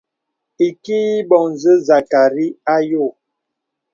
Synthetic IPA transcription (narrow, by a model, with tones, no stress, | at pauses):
i˨ki˦i˦bɔ˨ŋ˨zə˦za˨ka˨ɾi˦a˦jo˦˨